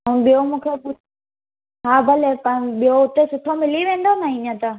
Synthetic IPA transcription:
ɦũɓijomũːkʰepu | ɦaːbʱɐlepɐ̃ɓijoʊt̪esʊʈʰomɪliʋẽːn̆d̪onaĩɲə̃t̪aː

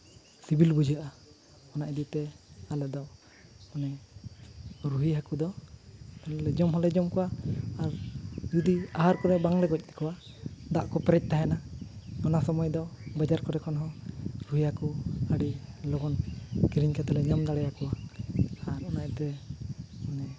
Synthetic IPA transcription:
sibilbud͡ʒaʔa | ɔnaʔɛd̪it̪ɛalɛd̪ɔ | ɔnɛ | ɾuɦiɦakud̪ɔ | ɔnlɛd͡ʒɔmɦɔlɛd͡ʒɔmkɔwaːɾd͡ʒud̪iaɦaɾkɔɾɛbaŋlɛɡɔc̚ˀnɛ̥kɔwa | d̪aʔkɔpɛɾɛc̚t̪aɦɛnaɔnasɔmɔjd̪ɔbɛd͡ʒaɾkɔɾɛkʰɔnɦɔ̃ɾuɦihakuaɽilɔɡɔnkiɾiɲkat̪ɛlɛɲamd̪aɽɛjakɔwa | aɾɔnaʔt̪ɛ | mɔnɛ

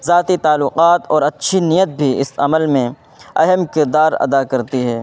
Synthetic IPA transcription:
zaːt̪it̪aːlːʊqaːt̪ɔːɾɐtːʃʰinijət̪̚bʱiɪsɐməlmẽ | ɐɦəmkɪɾd̪aːɾɐ̰d̪akɐɾt̪iɦɛː

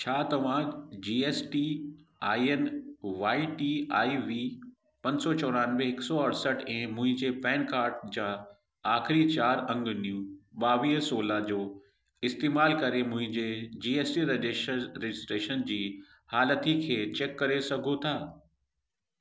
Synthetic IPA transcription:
t͡ɕʰaːt̪ɐʋ̤ãd͡ʑiːeːsʈiaːiənʋaːiʈiaːiʋiː | pɐ̃ɲsɔt͡ɕɔːɾaːnʋẽɦɪksɔɐɽsəʈʰɛ̃ːmʊ̃ɦɪ̃ɲd͡ʑepɛ̃ːnkaːɾʈ̚d͡ʑaː | aːxɪɾit͡ɕaːɾɐ̃ŋɡnijũɓaːʋiːɦsoːlad͡ʑoː | ɪst̪eːmaːlkɐɾemʊ̃ɦɪ̃ɲd͡ʑed͡ʑiːeːsʈiɾed͡ʑɾed͡ʑɪsʈɾeːʃənd͡ʑiː | haːlət̪ʰikʰeːt͡ɕeːkːɐɾesɐɡʱot̪ʰaː

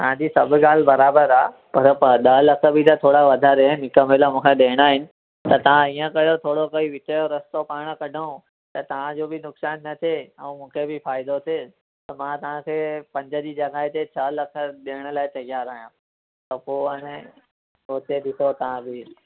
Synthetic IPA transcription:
t̪ɐʋ̤ãd͡ʑiːsɐbʱɪ̆ɡaːl̤ɪbɐɾaːbəɾaːpɐɾɗɐlɐkʰə̆bʱɪt̪ɐt̪ʰoːɽaʋɐd̪ʱaɾenɦɪkəmeːləmũːkʰeɗeːɪɽ̃aːɦɪnɪ̆ | t̪ɐt̪ɐʋ̤ãiːə̃kɐjot̪ʰoːɽokɐiʋɪʈʰəjoɾɐst̪opaːɽ̃kɐɖʱaũ | t̪ɐt̪ɐʋ̤ãd͡ʑoːbɪnʊksaːnːɐt̪ʰeɛ̃ːmũːkʰebɪfaːɪd̪ot̪ʰe | t̪ɐmãt̪ɐʋ̤ãkʰeːpɐ̃ɲd͡ʑə̆d͡ʑiːd͡ʑɐɡaːɦɪt̪et͡ɕʰɐlɐkʰə̆ɗeːəɽ̃ə̆laːɪt͡ɕ̪ɐɡijaɾɐɦjã | t̪ɐpoːɐnẽ | oːt̪eɗɪsot̪ɐʋ̤ãbɪ

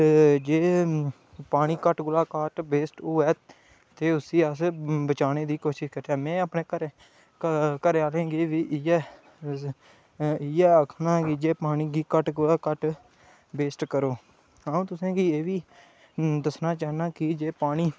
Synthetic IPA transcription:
d͡ʒeː | paːɽ̃iːkəʈɡʊlaːkaːʈbeːsʈuːɛː | t̪eːʊsiːəsbət͡ʃaːneːd̪iːkoːʃɪʃkəɾt̪eaːmɛ̃ːəpneːkəɾe | kəɾeaːlẽːɡeːʋiːʔɛː | ɪɛːəkʰnaːkɪd͡ʒeːpaːɽ̃iːɡiːkəʈɡʊlaːkəʈ | beːsʈkəɾoː | aːũːt̪ʊsẽːkieːʋiː | d̪əsnaːt͡ʃaːnaːkɪd͡ʒeːpaːɽ̃iː

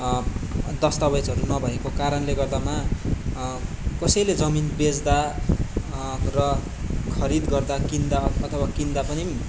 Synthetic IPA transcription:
d̪ʌst̪awet͡sɦʌɾunʌbʱʌekokaɾʌnleɡʌrd̪ama | kʌsʌjled͡zʌminbed͡zd̪a | rʌ | kʰʌɾid̪ɡʌrd̪akind̪aʌt̪ʰʌwakind̪apʌni

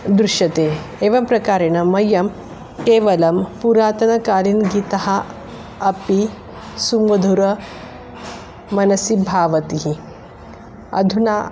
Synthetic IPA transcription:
d̪ɾuʃjɐt̪eː | eːʋɐmpɾɐkaːɾenɐmɐjːɐm | keːʋɐlɐmpuɾaːt̪ɐnɐkaːlinɡit̪ɐɦɐ | ɐpi | sumʋɐd̪ʱuɾɐ | mɐnɐsibʱaːʋɐt̪iɦi | ɐ̰d̪ʱunaː

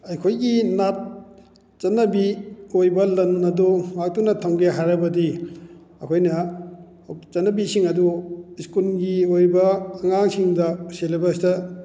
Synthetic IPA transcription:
ɐjkʰojɡinat̚ | t͡ʃɐnːɐbiojbɐlɐnɐdumak̚tunɐtʰɐŋɡeɦaɾɐbɐdi | ɐkʰojnɐ | t͡ʃɐnːɐbisiŋɐduiskulɡiojbɐːŋaŋsiŋdɐselebɐstɐ

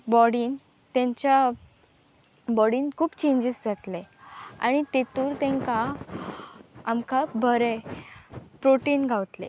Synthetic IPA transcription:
bɔɽiːn | t̪jãɲt͡ɕja | bɔɽiːnkʰuːpt͡ɕẽɲd͡ʑisd͡zat̪lea̰ɽ̃it̪et̪uːɾt̪ɛ̃ŋka | amkabʱəɾe | pɾoʈiːnɡʱaʋt̪lḛ

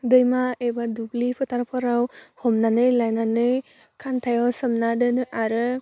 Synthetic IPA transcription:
dɯjmaebadublipʰɯtʰaɾpʰaɾawhɔmnanɯjlajnanɯj | kʰantʰajawsɯmnadɯnɯʔaɾɯ

